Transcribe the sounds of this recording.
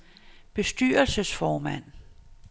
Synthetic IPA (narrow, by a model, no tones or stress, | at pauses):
b̥e̝sd̥y̰ːɐlsəsfɒːmæn̰